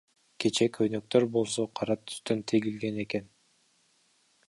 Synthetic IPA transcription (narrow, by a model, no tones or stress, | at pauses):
ke̞t͡ʃe̞kʰønøk̚t̪øɾbo̞lˠs̬oqʰɑɾɑt̪ʰy̥st̪ønt̪ʰeɡilɡe̞ne̞ke̞n